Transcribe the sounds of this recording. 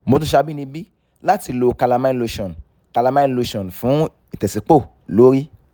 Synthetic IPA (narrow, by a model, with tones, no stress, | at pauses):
mo˧tũ˦ʃa˧bi˦nĩ˧bi˦ | la˦ti˧lo˧ka˧la˧mã˧˦lo˧ʃɔ̃˨n | ka˧la˧mã˦˧lo˧ʃɔ̃˨n˨fũ˨˦ | i˨tɛ˨si˨k͡po˦˨ | lo˨˦ɾi˦